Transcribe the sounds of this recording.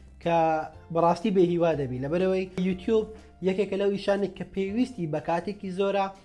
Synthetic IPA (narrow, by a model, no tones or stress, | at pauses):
kʰɐbɐrˤɑːst̪iːbeɦiːwaːd̪ɐbilɐbɐɾɐwɐjjut̪ʰjub̚ | jɛkekɐlɐwiʃaːnejkʰːɐpʰewist̪ibɐkaːt̪ekizoɾa